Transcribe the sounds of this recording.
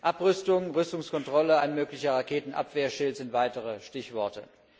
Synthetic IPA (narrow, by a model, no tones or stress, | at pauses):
ʔapʁʏstʊŋʁʏstʊŋskɔntʁ̥ɔləaɪnmøːklɪçɐʁakʰeːtn̩ʔa̰pv̥eːɐʃɪltz̥ɪntv̥aɪtəʁəʃtɪçv̥ɔɐtə̰